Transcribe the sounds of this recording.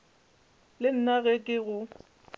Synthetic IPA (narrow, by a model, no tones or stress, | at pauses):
lɪn̩naɣɛkʼɪɣʊ